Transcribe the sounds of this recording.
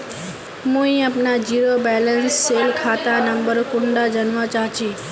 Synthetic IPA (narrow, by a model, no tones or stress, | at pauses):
mũĩəpnad͡ʒiɾobɛlənsːelkʰat̪anəmbəɾkʊɳɖad͡ʒənʋãt͡ʃat͡ʃi